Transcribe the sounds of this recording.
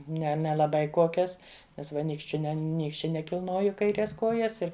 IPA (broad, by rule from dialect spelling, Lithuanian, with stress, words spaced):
ˈnʲɛ nʲɛlˠɐˈbɐɪ ˈkoːkʲɛs ˈnʲɛs ˈʋɐ ˈnʲiːkʃʲt͡ʃʲʊ ˈnʲɛ ˈnʲiːkʃʲt͡ʃʲɛ nʲɛkʲɪlˠˈnoːjʊ kɐɪˈrʲeːs ˈkoːjɛs ˈɪr